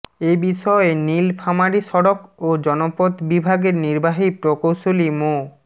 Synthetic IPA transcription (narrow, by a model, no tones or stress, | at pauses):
ebiʃɔenilpʰamaɽiʃɔɽokod͡ʑɔnopot̪bibʱaɡeɾniɾbaɦipɾokowʃolimo